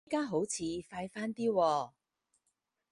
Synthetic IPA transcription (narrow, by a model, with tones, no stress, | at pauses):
kaː˥ɦo˨˥wt͡sʰiː˨˧faː˧jfaː˥nt̪iː˥wɔː˧